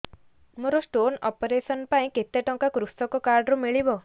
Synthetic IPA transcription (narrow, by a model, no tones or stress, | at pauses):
moɾosʈonɔpɔɾesɔnpaĩket̪eʈɔ̃ŋkakɾust̪ɔkɔkaɾɖɾumiɭibɔ